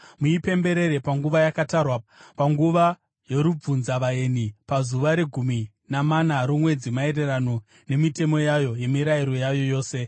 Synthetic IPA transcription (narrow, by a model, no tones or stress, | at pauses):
muipe̞mbe̞ɾe̞ɾe̞paŋɡuʋajakatarwapaŋɡuʋa | jo̞ɾub͡vunzaʋae̞nipazuʋaɾe̞ɡʱumi | namanaɾomwe̞d͡zimae̞re̞rano̞ | ne̞mite̞mo̞jajo̞je̞miɾaiɾo̞jajo̞jo̞ːse̞